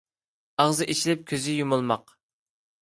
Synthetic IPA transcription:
ɑʁzɨʔit͡ʃʰilɪp̚kʲʰøzɪjumulˠmɑq

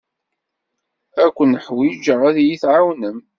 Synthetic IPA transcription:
ækʷːənːəħwid͡ʒəɾˤæðjiθʕawnəm

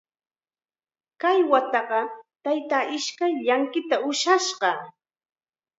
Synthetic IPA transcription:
kajwat̪ɑɢɑt̪ajt̪aːʔɪʃkajʎaŋkɪt̪aʊʃaʃɢɑ

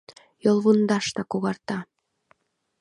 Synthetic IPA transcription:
jolˠβund̪ɑʃt̪ɑkuɣɑrt̪ɑ

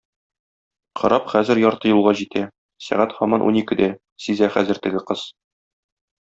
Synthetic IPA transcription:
qʰɒ̰̆ɾɑpχæzɘɾjɒɾt̪ɤjulˠʁɑʑit̪æ | sæ̰ʁæt̪χɒmɑnʔṵnikɘd̪æ | sizæχæzɘ̆ɾt̪ɘ̆ɡɘqɤz̥

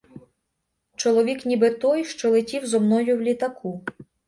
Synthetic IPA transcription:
t͡ʃɔlˠɔʋʲiknʲibɪt̪ɔjʃt͡ʃɔlˠɪtʲiwzɔmnɔjʊwlʲit̪ɐkʰu

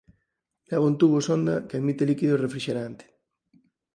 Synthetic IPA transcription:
laɣont̪uβosond̪akeaðmit̪elikiðorefɾiʃeɾant̪e̥

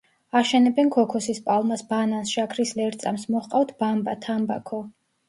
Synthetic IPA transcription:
aʃɛnɛbɛnkʰɔkʰɔsispʼalˠmasbanansʃakʰɾislɛɾt̪sʼamsmɔχqʼaft̪ʰb̥ambat̪ʰamba̰kʰɔ

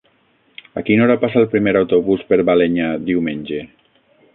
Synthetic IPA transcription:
akinoɾapasalˠpɾimeɾawt̪oβuspeɾβaleɲad̪iwmenʲd͡ʒe

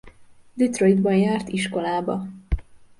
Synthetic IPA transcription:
d̪it̪roid̪bɒnjaːrt̪iʃko̞laːbɒ

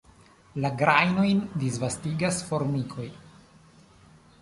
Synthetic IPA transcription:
laɡɾajno̞jndisvastiɡasfo̞ɾmikʰo̞j

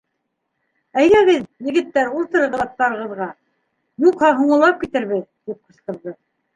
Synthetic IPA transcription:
æjɡæɡɘðjɘ̆ɡɘ̆t̪ːæɾulˠt̪ɤ̆ɾɤ̆ʁɤ̆ðɑt̪ːɑɾɤ̆ʁɤ̆ðʁɑ | nuqhɑɦuɴɤ̆lˠɑp̚kit̪ɘ̆ɾβɘðt̪ip̚qɤ̆sq̪ɤ̆ɾðɤ

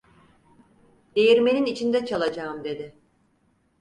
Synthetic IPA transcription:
d̪̥e̞jiɾme̞ninit͡ʃʰind̪ɛt͡ʃʰalˠad͡ʒaːmd̪e̞d̪ɪ

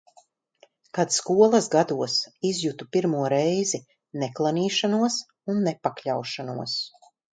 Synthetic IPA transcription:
kad̪skuɔlˠɐsɡad̪uɔsizjut̪upiɾmuɔɾɛjzi | nɛklˠaniːʃanuɔs | unːɛpakʎʲawʃanuɔs

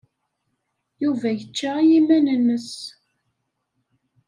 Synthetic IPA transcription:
juvæjət͡ʃːajimænənːəs

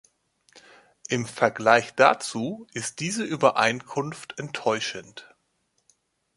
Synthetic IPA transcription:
ʔɪmfɛɐɡlaɪçd̥at͡suːʔɪst̚d̥iːzəʔyːbɐʔaɪnkʰʊnftʰʔɛntʰːɔʏʃənt

